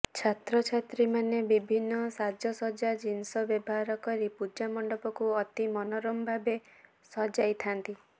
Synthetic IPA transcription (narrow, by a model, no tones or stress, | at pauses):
t͡ʃʰat̪ɾɔt͡ʃʰat̪ɾimanebibʱinːɔsad͡ʒɔsɔd͡ʒad͡ʒinsɔbjɔbɔɦaɾɔkɔɾipud͡ʒamɔɳɖɔpɔkuɔt̪imɔnɔɾɔmbʱabe | sɔd͡ʒajt̪ʰant̪i